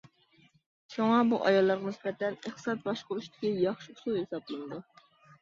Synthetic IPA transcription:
ʃoŋɑbuʔɑjɑlˠːɑɾʁɑnɪsbɛt̪ʰɛneχt̪ɨ̥sɑt̪̚bɑʃqʊuʃt̪ɪ̥kʲijɑχʃiusulˠhesɑblˠɨnɨd̪u

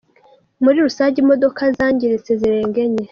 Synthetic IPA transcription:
muɾiɾusaːɲɟimodo̞kazaːɲɟiɾet͡seziɾeːŋɡe̞ɲe

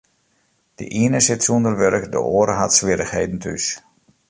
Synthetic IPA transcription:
d̥ə̰ʔiənəsɪtsundərʋøɾkdə̰ʔoːɾəɦatsʋɪɾəxhejdn̩tʰy̰s

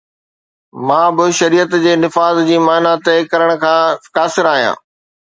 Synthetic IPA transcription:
mãːbɪʃɐɾiːət̪d͡ʑeːnɪfaːzd͡ʑiːmaːnat̪ekɐɾəɽ̃̆kʰãːkaːsɪɾaːɦijã̰ː

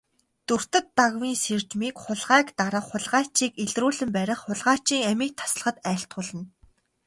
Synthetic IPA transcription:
t̪ɵr̥t̪ɘ̆t̪ːaɣwiːnsert͡ɕmiːkχʊɮʁæːkt̪aɾə̆χχʊɮʁaːt͡ɕiːkeɮruːɮɘ̆mpæɾʲɪ̆χχʊɮʁaːt͡ɕiːŋæmiːk̚t̪ʰḁsɮə̆χə̆t̪æːɬt̪ʁʊɮə̆n

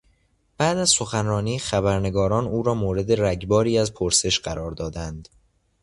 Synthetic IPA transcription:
b̥æːd̪æzso̞xænrɒːniːxæβæɾne̞ɡɒːɾɒːnuːɾɒːmoːɾe̞d̪eɾæɟbɒːɾiːæzpʰoɾse̞ʃɢæɾɒːɾd̪ɒːd̪ænd̪̥

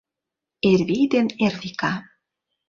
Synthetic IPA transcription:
eɾβid̪eneɾðika

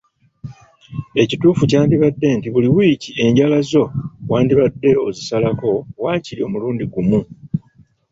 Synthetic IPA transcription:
e̞cituːfucaːndiβadːe̞ntiβuliwiːcie̞ɲɟalazo̞waːndiβadːe̞o̞zisalako̞waːcilio̞muluːndiɡumu

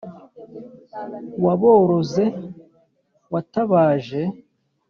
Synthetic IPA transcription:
waβo̞ːɾo̞ze̞ | wataβaːʒe̞

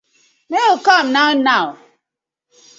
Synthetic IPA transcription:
neokamnanaw

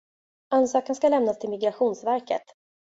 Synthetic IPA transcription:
ansɑːkənskalɛmnast̪ʰɪlmɪɡɾaɧuːnsvæɾkə̰t̪

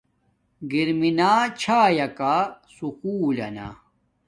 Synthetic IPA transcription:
ɡiɾminaːt͡ɕʰaːjɐkasukuːlɐ̰na̰

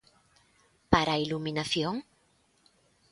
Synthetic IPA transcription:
paɾailumĩnaθjoŋ

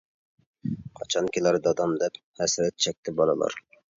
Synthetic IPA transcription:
qʰɑt͡ʃʰɑnkʲʰilæɾd̪ɑd̪ɑmd̪ɛp | hɛsɾɛt̪̚t͡ʃʰɛk̚ʲt̪ʰɪbɑlˠɨ̰lˠɑ̰ɾ

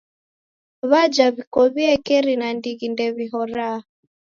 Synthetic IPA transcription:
βad͡ʒaβikɔβiɛkɛɾinandiɣindɛβiɦɔɾa

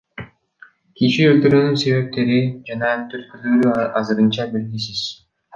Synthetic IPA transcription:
kiʃiølt̪yɾynynse̞βe̞p̚t̪e̞ɾid͡ʒɑnɑnt̪øɾ̚kylyːɾyɑzɯɾɯnt͡ʃɑbilɡisiz̥

